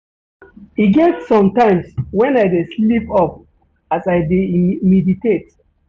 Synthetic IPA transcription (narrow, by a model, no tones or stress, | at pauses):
hiɡɛtsɔ̃mtãɪ̃mswɛ̃naɪdesllipɔp̚ | asaɪdemiditet̚